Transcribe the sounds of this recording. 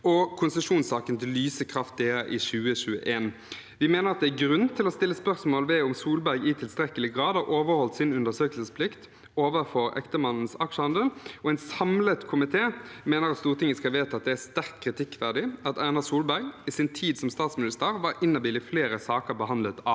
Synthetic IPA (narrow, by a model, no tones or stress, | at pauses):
ɔkʰʊnsəʂuːnsɑːkənt̪ʰɪlyːsəkʰɾɑft̪̚d̪eːæʔɪçʉːəɕʉːəʔeːn | ʋɪmeːnəʁɑt̪̚d̪ɛæɡʁʉnt̪ʰɪlɔst̪ɪlːəspœʁsmoːlʋɛʊmsuːlbæɾɡɪt̪ʰɪlst̪ʁɛkəlɪɡʁɑːd̪ɑʔoːʋəɾhɔlt̪sɪnʉnd̪əsøːklsəspʰlɪkt̪ | oːʋəfɔɾɛ̰kt̪əmɑnn̩sɑkʂəhɑnd̪əlɔɛnsɑmlət̪kʰʊmɪt̪ʰeːmeːnəɾɑt̪st̪uːʁt̪ʰɪŋəskɑʋeːt̪ɑt̪̚d̪ɛæst̪æʁk̪kʰːʁɪt̪ʰɪkːʋæʁd̪ɪɑt̪ænəsuːlbæɾɡɪsɪnt̪ʰiːd̪sɔmst̪ɑːt̪smɪnɪst̪əəʁʋɑɾɪnːəbɪːlɪfleːɾəsɑːkəʁbəhɑnd̪lət̪ɑː